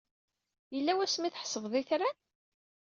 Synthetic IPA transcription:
jəlːæwæsmiθəħsəvðˤiθɾæn

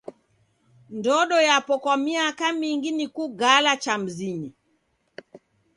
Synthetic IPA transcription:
ndɔɗɔjapɔkwamiakamiŋɡinikuɡalat͡ʃam̩ziɲi

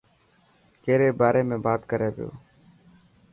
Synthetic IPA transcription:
keːɾeːbaːɾʔeːmẽːbaːt̪kəɾeːʋɪjo̰ː

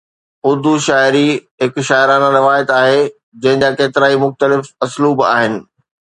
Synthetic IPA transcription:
ʊd̪uʃaːɪɾiɦɪkʃaːɪɾaːnãɾɪʋaːjət̪aːɦe | d͡ʑɐ̃ɦɪ̃ɲd͡ʑaːkeːt̪ɪɾaːimʊxt̪əlɪfɐsluːba̰ːɦɪnɪ̆

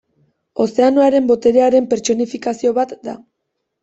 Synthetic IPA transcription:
o̞se̞anoaɾe̞mbo̞t̪e̞ɾe̞aɾe̞mpe̞ɾt͡so̞nifikasio̞βat̪d̪a

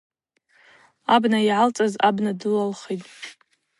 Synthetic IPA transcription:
abnajʕalt͡sʼazabnadɨlalχejtʼ

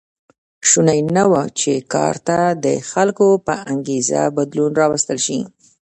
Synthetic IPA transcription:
ʃunajnawat͡ʃekɑ̰ɾt̪ad̪əxalkopəʔaŋɡeza̰bad̪lunɾɑwəst̪əlʃi

